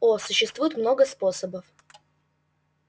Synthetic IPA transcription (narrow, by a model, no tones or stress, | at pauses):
osʊɕːɪst̪vujɪt̪mno̞ɡəspo̞səbəf